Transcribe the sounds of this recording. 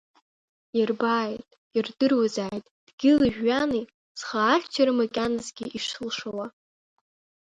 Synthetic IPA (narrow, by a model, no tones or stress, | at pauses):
irbaːjtʼ | irdɨrwazaːjtʼd̥ɡ̥ʲɪlɨʒᶣːani | sχaːχʲt͡ʃʰaɾɨmakʲʼanɨzɡʲiʔiʂɨlʂawa